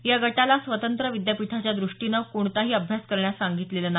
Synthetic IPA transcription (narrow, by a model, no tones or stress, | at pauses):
jaɡəʈalasʋət̪ənt̪ɾəʋid̪japiʈ̪ʰat͡ɕjad̪ɾuʂʈinəkoɳt̪aɦiːəbʱjaskəɾɳjasaŋɡit̪leləna